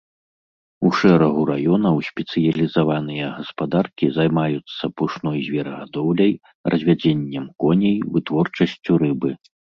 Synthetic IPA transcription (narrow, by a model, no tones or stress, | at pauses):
uʂɛɾɐɣuɾajɔnɐwsʲpʲɛt̪sɨjɐlʲizavan̪ɨjɐɣɐspad̪arkʲizajmajut̪sːɐpuʂnɔjzʲvʲɛɾɐɣad̪ɔwlʲɐj | rʔɐzʲvʲad͡zʲenʲːɛmkɔnʲɛjvɨt̪vɔrt͡ʂɐsʲt͡sʲuɾɨbɨ